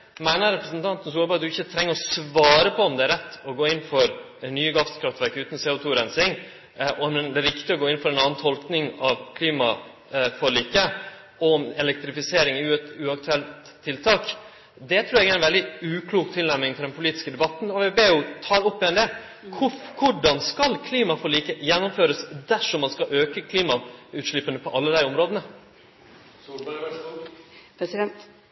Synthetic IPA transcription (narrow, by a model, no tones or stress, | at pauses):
mæɪnəɾɛpɾəsnt̪ʰɑnt̪n̩s̬uːbɑɑd̪d̪ʉɪçːət̪ʰɾɛŋːəɾɔsʋɑːɾəpʰɔɔmd̪ɛæɾɛt̪ːɔɡoːɪnːfɔɾ | nyːəɡɑfst̪kʰɾɑft̪ʋæɾkʉːt̪n̩seːʊt̪ʰuːɾɛnsɪŋ | ʔɔmd̪ɛːɾɪkt̪ɪɔɡoːɪnfɔɾɛnɑːnn̩t̪ʰɔlknɪŋɑʋkʰliːmɑ | fɔliːkə | ɔmɛlɛk̚t̪ɾɪfɪseːɾɪŋʉt̪ʉːɑk̚t̪ʉɛlt̪ʰːɪlt̪ʰɑːk | d̪ɛt̪ʰɾʉːɾjɛɡæɪnʋɛld̪ɪʉːkʰluːkt̪ʰɪlnæmnɪŋt̪ɪld̪ɛnpʰʊliːt̪ɪskəd̪ɛbɑt̪nɔʋɛbeːjʊt̪ʰɑːɾɔpːɪɛnd̪ɛː | kʰʊkʰʊɖɑnskɑlkʰliːmɑfɔɾɭiːkəjɛnːɔmføːɾəsd̪æʂɔmːɑnskɑʔøːkəkʰliːmɑʉːt̪ʂɭɪpːənəpʰɔʔɑlːəd̪æɪɔmɾoːd̪ənə | pɾɛsɪd̪ɛnt̪